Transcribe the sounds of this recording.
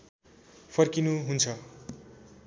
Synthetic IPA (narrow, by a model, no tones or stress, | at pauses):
pʰʌrkinuɦunt͡sʰʌ